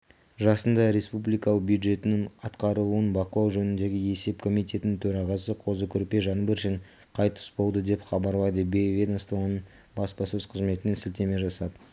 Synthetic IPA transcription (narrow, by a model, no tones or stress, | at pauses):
ʒɑsənd̪ɑɾe̞spublijkɑlˠəq̚bjud̪ʒe̞t̪ɪnɪŋɑt̪qɑɾəlˠuənbɑqəlˠɑwʒɵnɪnd̪e̞ɡʲɪe̞se̞pkʰo̞mijt̪ʲe̞t̪ɪnɪnt̪ʰɵɾɑʁɑsəqʰo̞zəkʲʰʏɾpe̞ʒɑnbəɾʃeɴ | qʰɑjt̪ə̥sbo̞lˠd̪əd̪e̞pχɑbɑɾlˠɑjd̪əbevʲed̪ost̪vonəɴ | bɑspɑsɵzqʰəzme̞t̪ɪnensɪlt̪e̞me̞ʒɑsɑd̪ə